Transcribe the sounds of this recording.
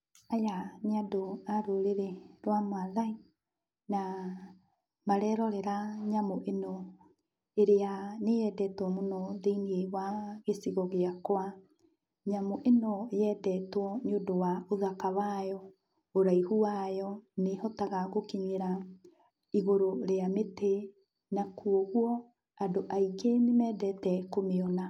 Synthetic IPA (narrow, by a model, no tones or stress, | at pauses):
ajaneadoaɾoɾeɾeɾwamoaðai | na | maɾɛɾɔɾɛɾaɲamoʔenɔ | eɾeanejɛdɛtwɔmonɔðeiniewaɣesiɣɔɣeakoa | ɲamoʔenɔjɛdɛtwɔnodowaoðakawajɔ | oɾaihuwajɔnehɔtaɣaɣokiɲeɾa | iɣoɾoɾeamete | nakuoɣuɔ | adoʔaikenemɛːdɛtɛkomeɔna